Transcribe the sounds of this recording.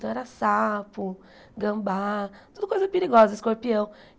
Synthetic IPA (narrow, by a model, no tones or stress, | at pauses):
t̪ɐ̃w̃ɛɾɐsapʊ | ɡɐ̃baɾt̪ud̪ʊkojzɐpeɾiɡɔzɐɪskoɾpiɐ̃w̃